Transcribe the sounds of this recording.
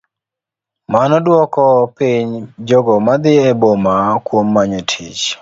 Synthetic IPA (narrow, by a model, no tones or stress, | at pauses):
manɔdwɔkɔpiɲd͡ʒɔɡɔmad̪ɪɛbomakwomːaɲotʰit͡ʃ